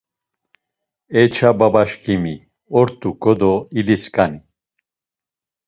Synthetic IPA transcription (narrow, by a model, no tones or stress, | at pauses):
ɛt͡ʃʰababaʃkʰʼimi | ɔɾt̪ʼukʼɔd̪ɔiliskʼani